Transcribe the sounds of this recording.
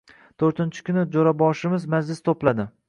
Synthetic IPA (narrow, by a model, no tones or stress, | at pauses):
t̪ʰoɾt̪ʰɪnt͡ʃʰɪ̥kʲʰʊnɪd͡ʒoɾabɒʃɪmɪzmad͡ʒlɪst̪ʰoplad̪ɪ